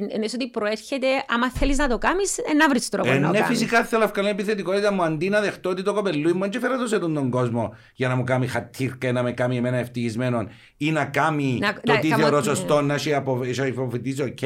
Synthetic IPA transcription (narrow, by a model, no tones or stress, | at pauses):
nesot̪ipɾoeɾçet̪eʔɐmɐθeliznɐt̪okamisenːɐvɾist̪ɾopennːefisikaθeloefkɐlinepiθet̪ikot̪it̪ɐmuɐnd̪inɐðext̪oot̪it̪okopelːuimːɐnt͡ʃefeɾɐt̪os̬et̪ond̪oŋɡozmo | ʝɐnɐmukamixat̪ʰːiɾkɐenɐmekamiemenɐeft̪içizmenon | inɐkaminot̪iθeoɾosost̪onːɐʃiapoʃpofet̪isocʰ